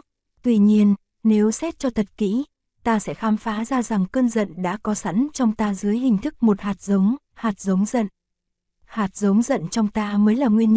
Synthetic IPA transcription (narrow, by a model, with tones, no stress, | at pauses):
t̪wi˧ɲi˧ən | ne˨˦wsɛ˦˥t̚t͡ɕɔ˧t̪ʰə˨˩t̚kḭ˧˥ | t̪aː˧sɛ̰˧˥xaː˨˦mfaː˨˦zaː˧za˨˩ŋkəː˧nzə̰˧˨nɗa̰ː˧˥kɔ˨˦sa̰˧˥nt͡ɕɔ˧wŋ͡mt̪aː˧zɨ˨˦əjhï˨˩ŋ̟t̪ʰɨ˦˥k̚mo˨˩t̚haː˨˩t̚zə˨˦wŋ͡m | haː˨˩t̚zə˨˦wŋ͡mzə̰˧˨n | haː˨˩t̚zə˨˦wŋ͡mzə̰˧˨nt͡ɕɔ˧wŋ͡mt̪aː˧məː˨˦jlaː˨˩ŋwi˧ənɲə˧˥